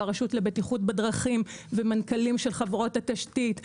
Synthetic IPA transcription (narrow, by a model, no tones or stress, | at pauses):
aʁaʃutle̞betiχut̚bedʁaχimvemankalimʃe̞lχavʁo̞thataʃtit